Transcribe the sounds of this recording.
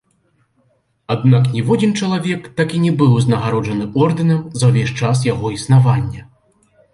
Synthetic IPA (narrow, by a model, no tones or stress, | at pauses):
ad̪̚naknʲɛvɔdʲint͡ʂɐlˠavʲɛkt̪akʲinʲɛbɨwznɐɣaɾɔʐɐnɨɔrd̪ɨnɐmzɐwvʲeʂt͡ʂas̬jaɣɔisnavanʲːɐ